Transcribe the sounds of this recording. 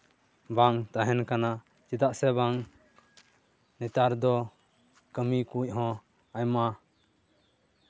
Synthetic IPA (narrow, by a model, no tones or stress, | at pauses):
baŋt̪aɦɛnkana | t͡ʃit̪aʔsɛbaŋ | nɛt̪aɾd̪ɔ | kəmikuc̚ˀɦɔ̃ | ajma